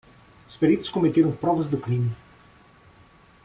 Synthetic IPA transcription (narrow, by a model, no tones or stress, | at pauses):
ʊspeɾit̪ʊ̥skomet̪eɾɐ̃w̃pɾɔvɐzd̪ɪkɾĩmɐ